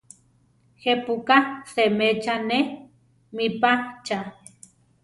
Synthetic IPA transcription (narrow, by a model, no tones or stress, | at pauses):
hepukasemet͡ʃane | mipat͡ʃa